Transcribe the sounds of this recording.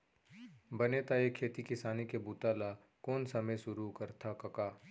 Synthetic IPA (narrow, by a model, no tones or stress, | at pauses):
bɐnet̪aeːkʰːeːt̪ikɪsaːnikebuːt̪aːla | kɔːnsɐməjʃʊɾukɐɾt̪ʰakɐkaː